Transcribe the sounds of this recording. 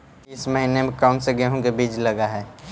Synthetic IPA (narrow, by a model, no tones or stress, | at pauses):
ɪsməɦinemẽkaːnseɡeɦõkebiːd͡ʒlɐɡaɦɛː